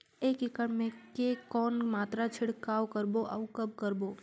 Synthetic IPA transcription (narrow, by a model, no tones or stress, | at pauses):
eːkɪkəɽmẽkekɔːnmaːt̪ɾat͡ʃʰɪɽkaːwkəɾboʔaʊkɐb̚kəɾboː